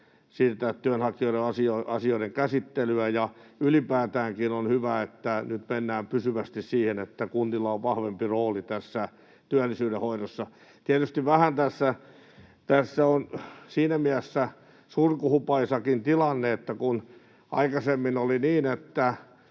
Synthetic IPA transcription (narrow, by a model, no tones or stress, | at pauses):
siːrt̪ætt̪yænhɑkioiɾeɑsioɑsioiɾeŋkæsit̪ːelyæjɑylipæːt̪æːŋkinonhyʋæet̪ːænyt̪menːæːmpysyʋæst̪issiːhenet̪ːækunt̪ilːɑoʋʋɑhʋempiroːlit̪æsːæ | t̪yælːisyːɾehoiɾosːɑ | t̪iæt̪yst̪iʋʋæhænt̪æsːæ | t̪æsːæonsiːnæmiæsːæ | surkuhupɑisɑkint̪ilɑnːeet̪ːækun | ʔɑ̰ikɑsemːinoliniːnet̪ːæ